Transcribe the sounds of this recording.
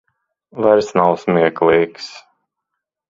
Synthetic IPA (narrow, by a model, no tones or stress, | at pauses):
vaɾsnawsmʲiɛklˠiːks